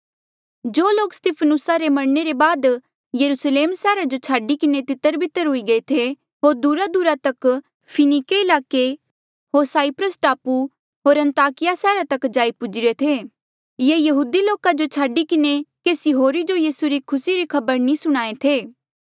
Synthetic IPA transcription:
d͡ʒoːloːkst̪ɪpʰənʊsaɾemɐɽneɾebaːd̪ | jɐɾusleːmsɛːɾad͡ʒot͡ʃʰaːɖikɪnet̪ɪt̪ːəɾbʱɪt̪ːəɾɦʊiɡɐet̪ʰe | ɦoːɾd̪uɾad̪uɾat̪ɐk | pʰɪnikeɪlaːke | ɦoːɾsaːipɾəsʈaːpu | ɦoːɾɐ̃nt̪aːkɪjasɛːɾat̪ɐkd͡ʒaːipʊd͡ʒɪɾet̪ʰeː | jeːjɐɦuːd̪iloːkad͡ʒot͡ʃʰaːɖikɪnekeːsiɦoːɾid͡ʒojiːsuɾikʰʊsiɾikʰɐbəɾnĩsʊɽ̃aːet̪ʰeː

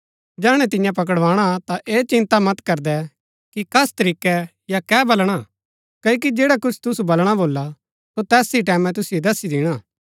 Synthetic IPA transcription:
d͡ʒɛːɽ̃ɛ̃t̪ɪjãp̬ɐk̬əɽʋaːɽ̃at̪aʔeːt͡ʃɪ̃nt̪amɐt̪kɐɾd̪ɛ | kikɐst̪ɐɾiːkɛ | jakɛːbɐlɽ̃a | kɐːok̬id͡ʒeːɽakʊt͡ʃʰt̪ʊsubɐlɽ̃aboːlːa | sot̪ɛːsiʈɛːmɛ̃t̪̬ʊsed̪ɐsid̪ɪɽ̃aː

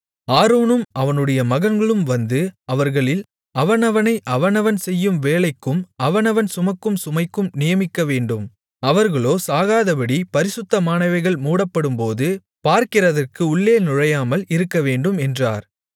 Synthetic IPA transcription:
aːɾoːnɯmʔɐʋɐnɯɽɐjɐmɐɣɐnɡɐɭɯmʋɐnd̪ɯɐʋɐɾɣɐɭɪl | ɐʋɐnɐʋɐnɐɪʔɐʋɐnɐʋɐnsɛjːɯmʋeːɭɐɪkːɯmɐʋɐnɐʋɐnsʊmɐkːɯmsʊmɐɪkːɯmnɪjɐmɪkːɐʋeːɳɖɯm | ɐʋɐɾɣɐɭoːsaːɣaːðɐbɐɽipɐɾɪsʊt̪ːɐmaːnɐɪʋɐɪɣɐɭmuːɽɐpːɐɽɯmpoːðɯ | paːɾkɪrɐðɐrkɯʊɭːeːnʊɻɐjaːmɐlɪɾɯkːɐʋeːɳɖɯmɛndra̰ːɾ

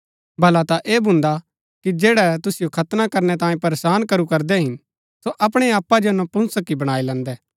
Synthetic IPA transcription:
bʱɐlat̪aʔeːbʱʊ̃nd̪a | kid͡ʒeːɽɛt̪ʊsɪjokʰɐt̪nakɐɾnɛt̪ãːjẽpɐɾeːsaːnkɐɾukɐɾd̪ɛɦɪn | soʔɐpɽ̃eaːpːad͡ʒɛnõpʊ̃nsəkːibɐɽ̃aːilɛ̃ːnd̪ɛː

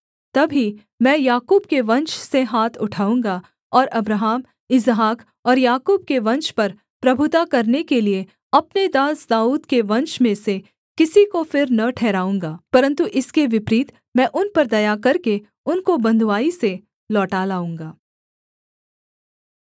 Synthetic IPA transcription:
t̪ɐbʱi | mɛ̃ːjaːkuːb̚keʋɐ̃nʃseɦaːt̪ʰʊʈʰaːũːŋɡa | ɔːɾʔɐbɾaɦaːm | ɪzɦaːk | ɔːɾjaːkuːb̚keʋɐ̃nʃpɐɾ | pɾɐbʱʊt̪akɐɾnekelie | ɐpned̪aːsd̪aːuːd̪keʋɐ̃nʃmẽse | kɪsikofɪɾnɐʈʰɛːɾaːũːŋɡaːpɐɾə̃nt̪uʔɪskeʋɪpɾiːt̪ | mɛ̃ːʔʊnpɐɾd̪ɐjakɐɾke | ʊnkobɐ̃nd̪ʱʋaːise | lɔːʈaːlaːũːŋɡaː

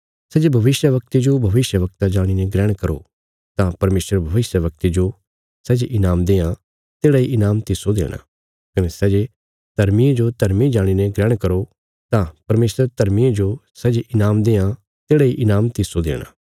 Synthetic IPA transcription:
sɛːd͡ʒebʱɐʋɪsjəʋɐk̚t̪id͡ʒobʱɐʋɪsjəʋɐk̚t̪ad͡ʒaːɽ̃inɛ̃ɡɾɛːɽ̃kɐɾo̰ | t̪ãpɐɾmeːsəɾbʱɐʋɪsjəʋɐk̚t̪id͡ʒo | sɛːd͡ʒeʔɪnaːmd̪eːã | t̪eːɽaiʔɪnaːmt̪ɪsod̪ḛːɽ̃a̰ | kɐnɛsɛːd͡ʒe | t̪ɐɾmijẽd͡ʒot̪ɐɾmid͡ʒaːɽ̃inẽɡɾɛːɽ̃kɐɾo | t̪ãpɐɾmeːsəɾt̪ɐɾmied͡ʒosɛːd͡ʒeʔɪnaːmd̪eːã | t̪eːɽaiʔɪnaːmt̪ɪsod̪ḛːɽ̃a̰ː

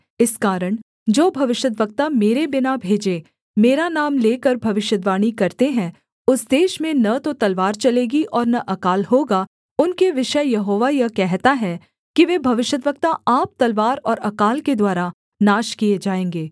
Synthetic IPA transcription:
ɪskaːɾəɽ̃ | d͡ʒoːbʱɐʋɪʃəd̪ʋək̚t̪ameːɾebɪnabʱeːd͡ʒe | meːɾanaːmleːkəɾbʱɐʋɪʃəd̪ʋaːɽ̃ikɐɾt̪eɦɛ̃ | ʊsd̪eːʃmẽnɐt̪ot̪ɐlʋaːɾt͡ʃɐleːɡiʔɔːɾnɐʔɐkaːlɦoːɡa | ʊnkeʋɪʃəjɐɦoːʋajɐkɛɦt̪aɦɛ | kiʋeːbʱɐʋɪʃəd̪ʋək̚t̪aʔaːp̚t̪ɐlʋaːɾɔːɾɐkaːlked̪waːɾa | naːʃkied͡ʒaːẽːŋɡeː

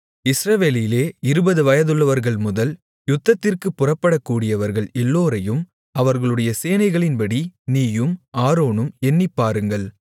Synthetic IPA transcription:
ɪsɾɐʋeːlɪleːɪɾɯbɐðɯʋɐjɐðɯɭːɐʋɐɾɣɐɭmʊðɐl | jʊt̪ːɐt̪ːɪrkɯpːʊrɐpːɐɽɐkːuːɽɪjɐʋɐɾɣɐɭɛlːoːɾɐjɯm | ɐʋɐɾɣɐɭɯɽɐjɐseːnɐɪɣɐɭɪnpɐɽiniːjɯmaːɾoːnɯmɛnːɪpːaːɾɯŋɡɐɭ

